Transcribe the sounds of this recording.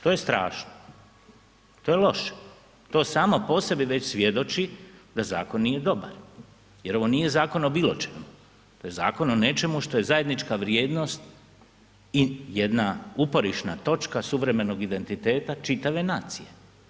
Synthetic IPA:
t̪oːje̞st̪ɾa̰ːʃno | t̪o̞ːjelo̞ʃe̥ | t̪o̞ːsaːmo̞po̞se̞biʋe̞t͡ɕsʋʲjed̪o̞t͡ʃid̪aza̰ːko̞nːije̞d̪o̞ba̰ɾ | je̞ɾo̞ʋo̞nije̞zaːko̞nobiːlˠot͡ʃemu | t̪oje̞za̰ːko̞none̞t͡ʃe̞muʃt̪o̞je̞zaje̞d̪nit͡ʃkaʋɾje̞ːd̪no̞st̪ | ijed̪naupo̞ɾiʃna̰t̪o̞t͡ʃkasuʋɾe̞me̞no̞ɡid̪e̞nt̪it̪e̞ːt̪at͡ʃit̪aʋe̞naːt̪sije̞

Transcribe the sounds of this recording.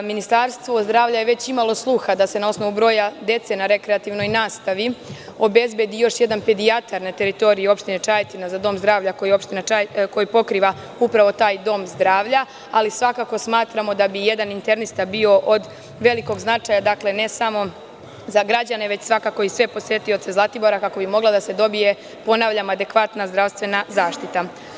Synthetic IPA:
minist̪aɾst̪ʋo̞zd̪ɾaːʋʎajeʋe̞t͡ɕimalˠo̞slˠuxad̪ase̞nao̞sno̞ʋubɾo̞ːjad̪e̞t̪senaɾe̞kɾeat̪iʋno̞jnaːst̪aʋio̞be̞zbje̞d̪ijo̞ʃje̞d̪anped̪iat̪ʰaɾnet̪e̞ɾit̪o̞ɾijeo̞pʃt̪inet͡ʃajt̪inazad̪o̞ːmzd̪ɾaːʋʎako̞jio̞pʃt̪inaako̞jipo̞kɾiːʋa | upɾaʋo̞t̪aːjd̪o̞ːmzd̪ɾaːʋʎa | alisʋakako̞smaːt̪ɾamo̞d̪abije̞d̪anint̪e̞ɾnist̪abio̞ʔod̪ | ʋe̞liko̞ɡznat͡ʃaːjad̪akle̞ne̞samo̞ | zaɡɾad͡ʑane̞ʋe̞t͡ɕsʋakako̞isʋe̞po̞sjet̪io̞t̪se̞zlˠat̪iboɾakako̞bimo̞ɡlad̪ase̞d̪o̞bije̞ | po̞naʋʎamad̪e̞kʋat̪nazd̪ɾaʋst̪ʋe̞nazaːʃt̪it̪a

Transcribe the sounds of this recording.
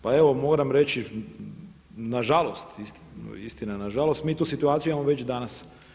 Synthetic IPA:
pae̞ʋo̞moːɾamɾe̞t͡ʃi | naʒalˠo̞st̪ist̪ist̪inanaʒalost̪miːt̪uːsit̪uaːt̪ijuimamoʋe̞t͡ɕd̪anas

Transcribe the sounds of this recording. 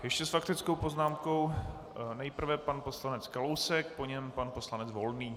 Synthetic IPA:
jɛʃcɛsfakt̪ɪt͡sko̞wpo̞znaːmko̞w | nɛjpr̩vɛpanpo̞slanɛt͡skalowsɛk̚po̞ɲɛmpanpo̞slanɛd͡zvo̞lniː

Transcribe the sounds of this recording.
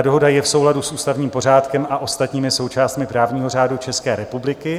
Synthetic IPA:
do̞ɦo̞dajɛfso̞wladusʔuːst̪avɲiːmpo̞r̝aːt̪kɛmaʔo̞st̪at̪ɲiːmɪso̞wt͡ʃaːst̪mɪpɾaːvɲiːɦo̞r̝aːdut͡ʃɛskɛːɾɛpublɪkɪ

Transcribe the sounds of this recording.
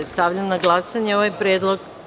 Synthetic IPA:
est̪aʋʎanːaɡlˠasaɲeo̞ʋajpɾeːd̪lˠoɡ

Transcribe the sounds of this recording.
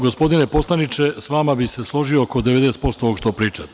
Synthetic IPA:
ɡospo̞d̪inepo̞slˠanit͡ʃesʋamabise̞slˠo̞ʒioːkod̪eʋed̪eːst̪po̞st̪ooɡʃt̪opɾiːt͡ʃa

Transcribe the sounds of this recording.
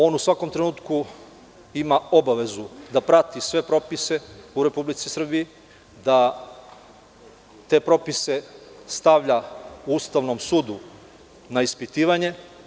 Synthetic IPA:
o̞ːnusʋako̞mt̪ɾe̞nuːt̪ku | imao̞baʋe̞zud̪apɾat̪isʋe̞pɾo̞pise̞uɾe̞publit̪sisr̩biji | d̪a | t̪e̞pɾo̞pise̞st̪aʋʎauust̪aʋno̞msuːd̪u | naispit̪iːʋaɲe̞

